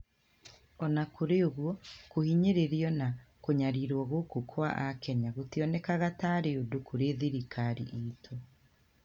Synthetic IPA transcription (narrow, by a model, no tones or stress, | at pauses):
ɔnakoɾeoɣwɔkohiɲeɾeɾiɔnakoɲaɾiɾwɔɣokokʰwaʔakɛɲaɣotiɔnɛkaɣataːɾeodokʰoɾeðiɾikʰaɾḭʔitʰo